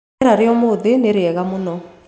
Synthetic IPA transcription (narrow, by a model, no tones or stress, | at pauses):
ɾaɾɪɔmoðɪneɾeɛɣamunɔ